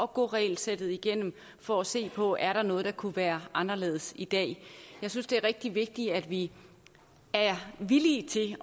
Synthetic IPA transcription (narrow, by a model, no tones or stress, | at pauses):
ɒ̽ɡ̥ɔ̰ʁɛlsed̥ð̩ˠiɡ̥en̰m̩ | fɒæse̝̰ːpʰɒ̽æɐɾ̥ɑ̈nɔ̽ːð̞̩ˠd̥ɑ̈kʰuʋæːɐʔɑ̈nɐle̝̰ːð̞̩ˠəsid̥ɛ̰ːjɑ̈ɪsynsd̥e̝æɐʁɛɡ̥̚d̥iʋe̝ɡ̥̚d̥iæd̥ʋi | æɐʋiliːt͡sʰe̝